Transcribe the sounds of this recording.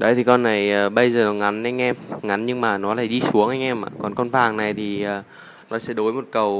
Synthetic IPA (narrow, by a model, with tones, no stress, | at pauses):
ɗə̰˧˦jt̪ʰi˨˩kɔ˧nːa˨˩jʔəː˨˩ɓə˧jzəː˨˩nɔ˨˩ŋa˨˦nʔa˧jŋ̟ʔɛ˧mŋa˨˦nɲɨ˧ŋmaː˨˩nɔ˨˦laː˨˧˩jɗi˧su˨˦əŋʔa˧jŋ̟ʔɛ˧mʔa̰ː˧˨˩kɔ˨˩nkɔ˧nvaː˨˩ŋna˨˩jt̪ʰi˨˩ʔəː˨˩ | nɔ˨˦sɛ̰˧˥ɗo˨˦jmo˨˩t̚kə˨˩w